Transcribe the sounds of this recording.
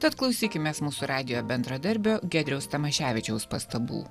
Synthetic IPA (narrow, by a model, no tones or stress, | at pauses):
t̪ɐt̪klˠɒʊsʲiːkʲɪmʲeːsmuːsuɾɑːd̪ʲɪjoːbʲɛnd̪ɾɐd̪ɐɾʲbʲoːɡʲæːd̪ʲɾʲɛʊst̪ɐmɐʃʲæːʋʲɪt͡ʃʲɛʊspɐst̪ɐbṵː